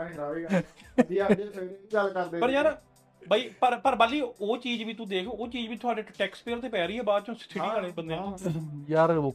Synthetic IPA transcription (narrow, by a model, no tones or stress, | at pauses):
ɾaːʋid͡ʒiad͡ʒimeːɾiiːɡəlkəɾd̪eːpəɾjaːɾ | baːiːpəɾpəɾbaliːoːt͡ʃiːd͡ʒʋiːt̪ũːd̪eːkʰːoːt͡ʃiːd͡ʒʋiːt̪ʰʊaːɖeːʈɛːkspeːɾt̪eːpɛːɾəiːɦɛːbaːd̪t͡ʃõːsɪ̥t̪ʰɪiːaːleːbənd̪ẽãjaːɾo